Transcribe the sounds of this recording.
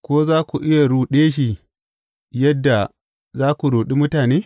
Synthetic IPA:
kʷoː˦zaː˦kʷu˨ʔɪ˦ja˨ɾuː˨ɗeː˦ʃ̬i˨ | jɐ˦dːa˨ | zaː˦kʷu˨ɽuː˨ɗi˦mʊ˦taː˨neː˦

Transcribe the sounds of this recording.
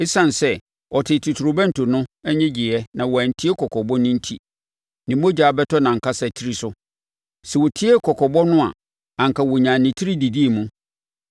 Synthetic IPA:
ɪ˦sã˨n˨sɛ˦ | ɔ˨tʰɪ˨tʰu˨tʰu˨ɾʊ˨bæ̃˦n̩˨tʰʊ˨nʊ̃˦ɛ˦ɲɛ̃˦d͡ʑi˨ɛ˦nã˨wɔ˨æ˨n̩˨tʰi˦ɛ˦kʰɔ˨kʰɔ˨bɔ˦nʊ̃˦n̩˦tʰi˨ | nĩ˨mo˦d͡ʑaː˨bɛ˦tʰɔ˦nã˨ŋ̩˨kʰa˦sɛ˨tʰi˦ɾi˦sʊ˦ | sɛ˨wɔ˨tʰi˦ɛ˦kʰɔ˨kʰɔ˨bɔ˦nʊ̃˦a̰˨ | ã˨ŋ˨kʰa˨wɔ˨ɲãː˨nɪ̃˨tʰi˦ɾi˦di˨di˦e˨mũ˦

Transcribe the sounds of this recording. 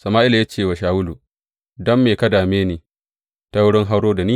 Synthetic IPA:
sɐ˨maː˦ʔɪ˦la˨ja˦t͡ʃeː˦˨wa˨ʃaː˨wʊ˦lu˨ | dɔ˦mːeː˨kɐ˦daː˨meː˦neː˨ | ta˦wʊ˦ɽɪ˦ŋɦa˦wɽoː˦da˨niː˦

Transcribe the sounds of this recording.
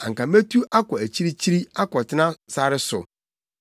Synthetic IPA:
ã˨ŋkã˨me˦tʰu˦ʔa˦kɔ˨æ˨t͡ɕʰi˦ɾi˦t͡ɕʰi˦ɾi˦a˦kɔ˨tʰɪ˦nã˦sa˦ɾɪ˦sʊ˨

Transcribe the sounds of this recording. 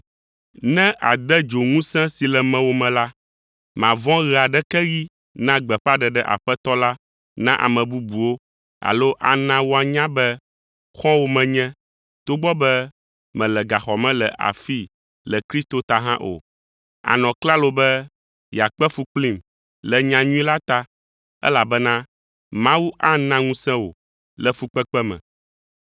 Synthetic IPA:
nɛ̃˦ʔa̰˨d̪ɛ˦d͡ʒo˨ŋũ˦sɛ̃˦si˨lɛ˨mɛ̃˨wo˦mɛ̃˨la˦ | mã˨vɔ̃˦ɣɛ˨a˨ɖɛ˦kɛ˦ɣi˦ | nã˦ɡ͡bɛ˨ɸa˦ɖɛ˨ɖɛ˦ʔa̰˨ɸɛ˦t̪ɔ˦la˦ | nã˦ʔa̰˨mɛ̃˨bu˦bu˨wo˦ | a̰˨lo˦ʔa̰˨nã˨wo˦a˨ɲã˦bɛ˦ | xɔ̃˦wo˦mɛ̃˨ɲɛ̃˦ | t̪o˦ɡ͡bɔ˦bɛ˦ | mɛ̃˨lɛ˨ɡa˨xɔ˨mɛ̃˦lɛ˨ʔa̰˨fi˦ | lɛ˨kɾi˦st̪o˨t̪a˦ɦã˦ʔo̰˨ | a̰˨nɔ̃˨kla˦lo˦bɛ˦ | ja˨k͡pɛ˦fu˦k͡pli˦m | lɛ˨ɲã˦ɲũ˦i˦la˦t̪a˦ | ɛ̰˦la˨bɛ˦nã˦ | mã˦wu˦ʔa˦nã˦ŋũ˦sɛ̃˦wo̰˨ | lɛ˨fu˦k͡pɛ˦k͡pɛ˦mɛ̰̃˨

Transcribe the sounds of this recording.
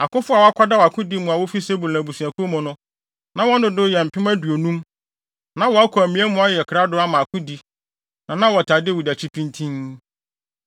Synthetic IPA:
a˨kʊ̃˦fʊ˦a˨wɔ˦a˦kʰʷa˦da˦wa˨kʰʊ̃˦di˦mʊ̃˨a˨wo˦fi˦se˦bu˨lã˨bu˨sũ˨a˨kʰʊ˦o˦mɔ̃˨nʊ̃˦ | nã˨wɔ̃˦n˦dʊ̃˨dʊ˦jɛ˨m̩˨pʰɪ̃˦mæ˦du˨o˨nũ˦m | nã˨wɔ˨a˦kʰɔ˨æ˨mĩ˦ɛ˦mʊ̃˦a˦jɛ˨kʰɾa˦dʊ˦a˦mã˨a˨kʰʊ̃˦di˦ | nã˨nã˦wɔ˨tʰa˨dɪ˦wu˨da˨t͡ɕʰi˦pʰĩ˦ntʰĩ˦n

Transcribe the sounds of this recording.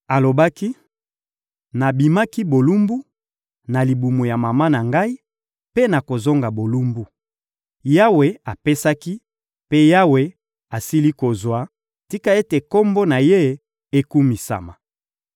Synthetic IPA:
a˨lo˨ba˦ki˦ | na˨bi˨ma˦ki˦bo˨lu˦mbu˦ | na˨li˨bu˨mo˨ja˨ma˨ma˦na˨ŋɡa˦i˦ | pe˦na˨ko˨zo˦ŋɡa˨bo˨lu˦mbu˦ | ja˦we˨a˨pe˦sa˦ki˦ | pe˦ja˦we˨ | a˨si˦li˦ko˨zwa˦ | ti˦ka˦e˦te˨ko˦mbo˦na˨je˦ | e˦ku˦mi˨sa̰˨ma˨

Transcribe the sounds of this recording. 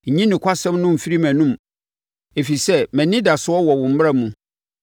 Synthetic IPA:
ɲĩ˦nɪ̃˨kʷʰa˦sɛ̃˦mnʊ̃˦m̩˨fi˦ɾi˦mæ̃˨nũ˦m | e˨fi˨sɛ˦mɛ̃˨nɪ̃˦da˨sʊ˦ɔ˦wɔ˨wʊ̃˨m̩˦m˦a˦mũ˨

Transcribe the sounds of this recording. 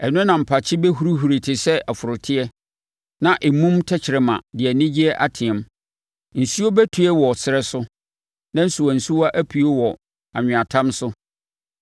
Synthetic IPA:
ɛ˨nʊ̃˦nã˨m̩˨pʰa˨t͡ɕʰɪ˦bɛ˦ɦu˨ɾu˦ɦu˨ɾi˨tʰɪ˨sɛ˦ʔa˨fʊ˨ɾʊ˨tʰɪ˦ɛ˦ | nã˨ʔe˨mũ˦mtʰɛ˦t͡ɕʰɪ˨ɾɪ˨mã̰˨dɪ˨ɛ˨nɪ̃˦d͡ʑi˦ɛ˦ʔa˦tʰɪ̃˨ɛ̃˨m | n̩˨su˦o˦bɛ˦tʰu˨ɛ˦wɔ˨sɪ˨ɾɛ˦sʊ˦ | nã˦n̩˦sʊ˨wɔ̃˨n̩˨su˦wa˦ʔæ˦pʰi˨o˦wɔ˨ | a̰˨ɲ̃ᶣ˨a˨tʰã˦msʊ˦

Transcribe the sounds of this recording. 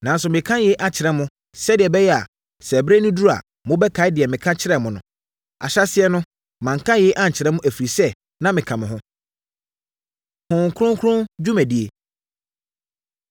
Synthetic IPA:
nã˨n˦s̬ʊ˨mɪ̃˨kʰã˦je˨˦ʔa˨t͡ɕʰɪ˨ɾɛ˦mʊ̃˦ | sɛ˦dɪ˨ɛ˨bɛ˦jɛ˦a̰˨ | sɛ˨bɾe˦nʊ̃˦du˦ɾa̰˨ | mʊ̃˦bɛ˦kʰa˨˦ɪ˦dɪ˨ɛ˨mɪ̃˨kʰã˦t͡ɕʰɪ˦ɾɛ˨mʊ̃˨nʊ̃˦ | a̰˨ɕa˦sɪ˦ɛ˦nʊ̃˦ | mã˨ŋ˨kʰã˦je˦ʔa˦ɲ̩˨t͡ɕʰɪ˨ɾɛ˦mʊ̃˦ʔæ˨fi˨ɾi˨sɛ˦ | nã˦mɪ̃˨kʰã˨mɪ̃˨ɦʊ̃˦ | hʊ̃˨ŋ˨kʰɾʊ̃˦ŋkʰɾʊ̃˦d͡ʑu˦mæ̃˨di˦e˨

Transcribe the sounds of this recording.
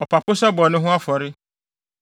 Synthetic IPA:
ɔ˨pʰa˨pʰʊ˦sɛ˦bɔ˨nʊ̃˦ɦʊ̃˦a˦fɔ˨ɾɪ˦

